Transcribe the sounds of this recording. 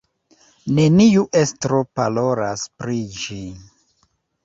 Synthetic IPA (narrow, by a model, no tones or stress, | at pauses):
ne̞niuʔestɾopalo̞ɾaspɾid͡ʒi